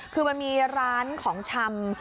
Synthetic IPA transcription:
kʰɯː˧ma˧nmiː˧ɾaː˦˥nkʰɔː˩˦ŋt͡ɕʰa˧m

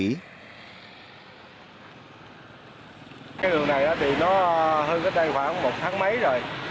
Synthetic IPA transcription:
kaː˨˦jɗɨ˨˩əŋna˨˩jʔaː˨˦ɓḭ˧˨nɔ˨˦ɦəː˧nkəː˨˦˥t̚t̪a˧jxwaː˧˩ŋmo˨˩t̚t̪ʰaː˨˦ŋmə˨˦jzo˨˩j

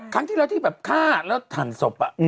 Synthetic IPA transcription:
kʰɾa˦˥ŋt̪ʰiː˥˩ɾa˧˥wt̪ʰiː˥˩bɛː˨˩p̚kʰaː˥˩lɛː˦˥wt̪ʰaː˨˩nso˨˩p̚ʔa˨˧ʔ

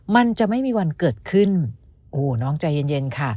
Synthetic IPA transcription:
ma˧nt͡ɕa˨˩ʔma˥˩jmiː˧wa˧nkɤː˨˩t̪̚kʰɯ˥˩n | ʔoː˧˩nɔː˦˥˩ŋt͡ɕa˧je˧nje˧nkʰa˥˩

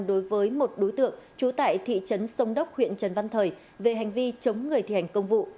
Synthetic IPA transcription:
ɗo˨˦jvəː˨˦jmo˨˩t̚ɗo˨˦jt̪ɨ̰˧˨əŋt͡ɕu˨˦t̪a̰ː˧˨jt̪ʰḭ˧˨t͡ɕə˨˦nsə˧wŋ͡mɗə˦˥wk͡p̚hwḭ˧˨ənt͡ɕə˨˩nva˧nt̪ʰəː˨˩j | ve˨˩ɦa˨˩jŋ̟vi˧t͡ɕə˨˦wŋ͡mŋɨ˨˩ət̪i˧˩ha˨˩jŋ̟kə˧wŋ͡mvṵ˧˨

